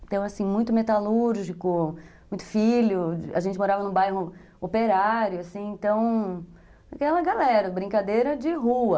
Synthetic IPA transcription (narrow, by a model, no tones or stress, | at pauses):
d̪̥ew̃asĩmũj̃t̪ʊmet̪aluɾʒikʊmũj̃t̪ʊ̥filʊa̰ʒẽt͡ʃɪmoɾavɐnʊ̃bajɦʊ | opeɾaɾjʊasĩẽnt̪ɐ̃w̃ | akɛlɐɡalɛɾɐbɾĩkad̪ejɾɐd͡ʒɪɦuɐ